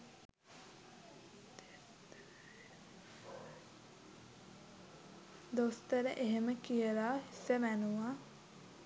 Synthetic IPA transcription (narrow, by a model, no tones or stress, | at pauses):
d̪ost̪əɾəʔeɦeməkijəlaːisəmænuʋa